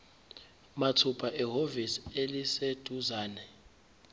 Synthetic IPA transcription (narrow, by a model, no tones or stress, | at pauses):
matʰupʰaʔɛɦoviselised̥ʱuzaːnɛ